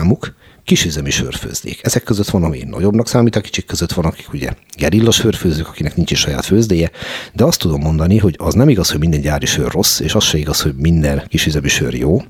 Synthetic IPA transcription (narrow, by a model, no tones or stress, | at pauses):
mukː | iʃizɛmiʃø̰rfø̰ːzd̪ḛːkʰɛzɛkːøzøt̪ʋɒnɒmḭnɒ̰ɟo̞bnɒksaːmiːt̪ɒki̥t͡ʃikːøzøt̪ʋɒnɒki̥kuɟɛ̰ɡɛɾilːɒʃføːrføːzyːkɒkinɛknint͡ʃiʃʃɒja̰ːt̪føːzd̪eːjɛd̪ɛɒst̪ud̪o̞mːo̞nd̪ɒniɦo̞ɟɒznɛmiɡɒsho̞ɟmind̪ɛɲɟaːɾiʃø̰rːo̞sːeːʃɒsʃɛiɡɒsho̞ɟmind̪ɛnkiʃyzɛmiʃø̰rjoː